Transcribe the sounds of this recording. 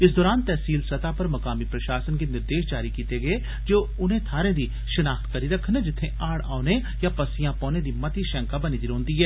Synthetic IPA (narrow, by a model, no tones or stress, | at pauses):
ɪs̬d̪ɔːɾaːnt̪ɛːsiːlsɐt̪apɐɾmɐkaːmipɾɐʃaːsənkenɪɾd̪eːʃd͡ʒaːɾikiːt̪eɡɐe | d͡ʒoː | ʊnɦẽt̪ʰaːɾẽd̪i | ʃɐnaːxt̪kɐɾiɾɐkʰned͡ʒɪt̪ʰːẽaːɽa̰ːne | japɐsɪjãpɔːnẽd̪imɐt̪iʃɛ̃ːŋkabɐnid̪iɾõːnd̪iɦɛː